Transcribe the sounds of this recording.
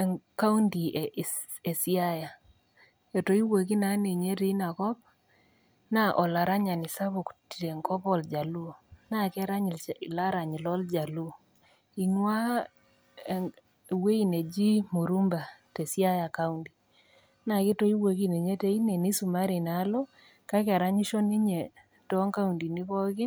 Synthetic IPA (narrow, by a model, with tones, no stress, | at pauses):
ka˦u˦nti˨ | e˨si˦a˦ja˨ | e˨to˨˦i˦we˨k̬i˦na˨˦ne˨ɲe˦te˦i˦na˨kɔ˦p̚ | na˦ʔɔ˨la˨ɾa˦ɲa˨ni˨sa˦βo˨kti˨ɾe˨ŋkɔ˦pɔ˦ld͡ʒa˨lu˦na˦kɛ˦ɾa˦ɲ˨la˦ɾa˨ɲi˨lɔ˦ld͡ʒa˨lu˦ | i˨ŋwa˦ | we˦i˨ne˨d͡ʒi˦mo˨ɾu˦mba˨te˨sja˦ja˨ka˦undi˨ | na˨kɪ˦to˦i˦we˨ki˦ne˨ɲe˦te˦i˦ne˨ni˦su˨ma˦ɾi˨na˨˦lo˦ | ka˦ka˨ɾa˦ɲi˦ʃɔ˦nɪ˦ɲe˨ | tɔ˦ŋka˦u˨ndi˨nɪ˦βɔ˦kɪ˦